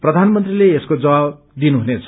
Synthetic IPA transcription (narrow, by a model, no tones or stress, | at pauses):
prʌd̪ʱanmʌnt̪rileeskod͡zʌa | d̪inuɦunet͡sʰ